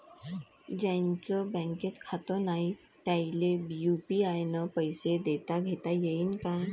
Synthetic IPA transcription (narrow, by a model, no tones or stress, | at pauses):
d͡ʑãɲt͡səbɛ̃ŋked͡zkʰat̪ənaɦi | t̪jajilebijupiajnəpəjsed̪et̪aɡʱet̪ajeiːnkaj